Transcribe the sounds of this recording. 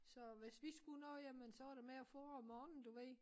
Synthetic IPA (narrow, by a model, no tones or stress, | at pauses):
sɒ̽ʋe̝sʋisɡ̥unɔ̽ːjæmənsɒʋɑɾe̝meæfɔːmɒːnn̩d̥uʋeð